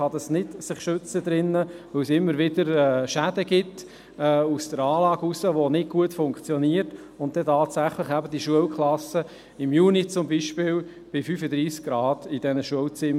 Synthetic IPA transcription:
ɑd̥̪ɑsnɪdsɪχʃʏt͡səd̪ɾɪnːəʋɵwsɪmːəɾʋɪd̥əɾɛːʃæd̥əɡɪt | ɛːusd̥əɾɑːlɑːɡusəʋonɪɡ̚ɡ̥uətfʊŋkt͡sjɔniəɾt | ʊntt̪ɛtɑːtsæχləχæbəd̥iʃuəlkχlɑsːə | ɪmjuːnit͡sʊmbiʃpɪːl | b̥ɪfyːfəd̪ɾiːsk̚ɡɾɑːd̥id̥ɛnəʃuəwt͡sɪm

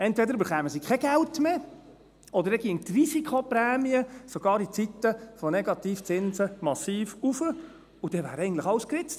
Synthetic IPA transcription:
ɛntvʋɛd̪əɾybəɾχæːməsikʰɛɡ̥ɛltme | ɔdəɾɛɡiənt̪risikʰχopɾɛːmiəsoɡ̥ɑːɾit͡sit̪ːəfonɛɡɑt̪iːft͡sɪnzəmɑsiːfufə | ud̥ɛʋæːɾɛɪɡntləχɑwskɾɪt͡st

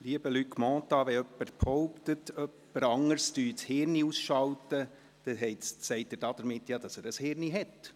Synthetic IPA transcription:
liəbəlykmɔ̃ːt̪ɑʋɛœpːərphɔʊpt̪ətœpːəɾɑŋəɾsd̥yːtshɪɾniusʃɑwt̪ə | d̥ɛɦɛɪtsɛɪtːəɾd̥ɑd̥̪əɾmɪtːjɑːd̥ɑsæːɾəshɪɾniɦɛt

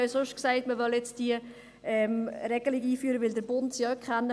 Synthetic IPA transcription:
sʊʃtksɛɪtməʋœljɛt͡sd̥iə | ɛmɾɛɡ̥əliɡiːfyːɾəʋɪldəɾbʊntsiɔkχɛnːə

